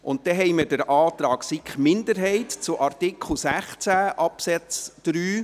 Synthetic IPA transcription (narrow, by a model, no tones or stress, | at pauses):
ʔʊnt̚d̥ɛɦɛjmədəɾʔɑːt̪ɾɑːksikχmɪndəɾɦɛɪtt͡sʊʔɑrtɪkʰl̩ˠsæχt͡sæʔɑpsɛt͡sd̥ɾyː